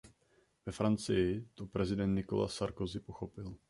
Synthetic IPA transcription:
vɛfɾant͡sɪjɪt̪o̞pɾɛzɪdɛnt̪nɪko̞̰la̰saɾkozɪpo̞xo̞pɪl

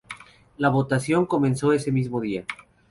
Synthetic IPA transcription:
laβo̞t̪asjo̞ŋko̞mensoesemizmoðia

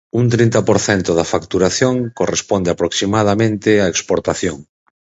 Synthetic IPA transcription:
unt̪ɾint̪ɐpoɾθɛnt̪ʊðɐfakt̪uɾaθjoŋkorespond̪eapɾoksimað̞amẽnt̪ɪaekspoɾt̪aθjoŋ

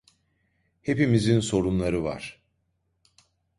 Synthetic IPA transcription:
he̞pimizinso̞ɾunlˠaɾɯva̰ɾ̥

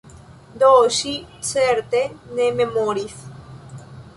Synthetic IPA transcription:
d̪oʃit͡seɾt̪enememoɾiθ

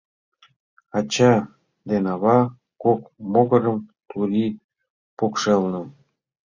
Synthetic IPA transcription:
ɑt͡ɕɑ | d̪enɑβɑ | kokmoɣə̆ɾəmt̪uɾi | pokʃelnə̆

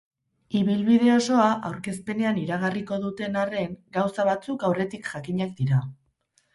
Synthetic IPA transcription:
iβilβið̞e̞o̞so̞aʔawɾke̞spe̞ne̞aniɾaɣ̞ariko̞ðut̪e̞nare̞ŋɡawsaβat͡sukawre̞t̪ikʝakiɲak̚d̪iɾa

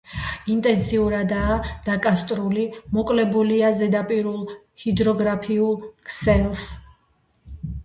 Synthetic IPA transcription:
int̪ʼɛnsiuɾad̪aːd̪̥akʼast̪ʼɾulimɔkʼlɛbuliazɛd̪apʼiɾulˠ | hid̪ɾɔɡɾapʰiulˠkʰsɛlˠs

